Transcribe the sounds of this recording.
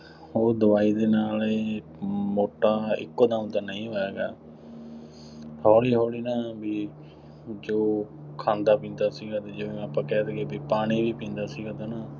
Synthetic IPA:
ɦoːɾd̪əʋaːiːd̪eːnaːleː | moːʈːaːɪ̰kːoːd̪ãːũt̪aːnəĩːɦoːɛːɡaː | hoːɽiːɦoːɽiːnaːbiː | d͡ʒoːkʰãːnd̪aːpĩːnd̪aːsiːɡaːt̪ẽːd͡ʒoːʋiːmɛ̃ːpəkɛːsɡeːbiːpaːɽ̃iːʋiːpĩːnd̪aːsiːɡaːt̪aːnaː

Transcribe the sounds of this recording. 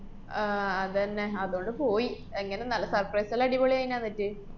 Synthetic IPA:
ɐðɨɐnːeɐðuɣo̞ɳɖɨpo̞ːji | eŋːɐne̞nɐlːɐsɐrprɐjsɐlɐɽibɐɭijajinaːnːitːɨ

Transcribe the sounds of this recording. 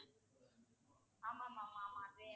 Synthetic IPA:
amamamamabɛ

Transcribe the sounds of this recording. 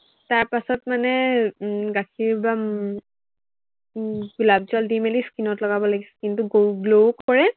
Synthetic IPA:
taɹpasɔtmanɛ | ɡakʰiɹba | ɡulabzɔldimeliskinɔtlɔɡabɔlaɡisɛ̥kintʊɡoɡlokːɔɹɛ

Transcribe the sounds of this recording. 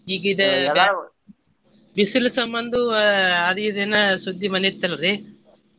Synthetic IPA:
iːɡɐid̪ɐ | bisilɐsɐmbɐnd̪uɐd̪iid̪enːɐsud̪ːimɐnit̪ːɐlɐɾe

